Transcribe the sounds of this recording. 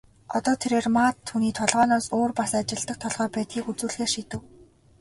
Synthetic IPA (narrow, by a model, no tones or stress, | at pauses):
ɔt̪ɔːt̪ʰeɾeːrmaːt̪ʰːuniːt̪ʰɔɮʁɔːnɔːsoːrpasat͡ɕɪ̆ɮt̪ə̆k̚t̪ʰɔɮʁœːpæːt̪ɡiːkut͡suːɮxeːʃit̪ɘ̆w